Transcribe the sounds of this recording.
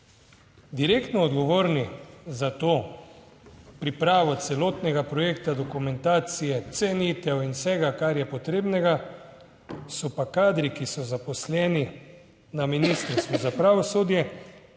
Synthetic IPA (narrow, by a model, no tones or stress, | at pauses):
d̪iɾekt̪nɔːd̪ɡɔʋoːɾnizat̪oː | pɾipɾaːʋɔt̪sɛloːt̪nɛɡapɾɔjeːkt̪ad̪ɔkumɛnt̪aːt̪sijɛt̪sɛnit̪ɛwinwsɛɡakaɾjɛpɔt̪ɾeːbnɛɡa | sɔpakaːd̪ɾikisɔzapɔslɛːni | naminiːst̪əɾst̪ʋuzapɾaːʋɔsoːd̪jɛ